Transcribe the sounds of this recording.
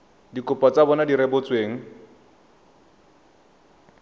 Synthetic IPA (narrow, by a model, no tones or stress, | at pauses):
dikʊpʼɔt͡sabɔnadiɾɛbʊt͡sweːŋ̩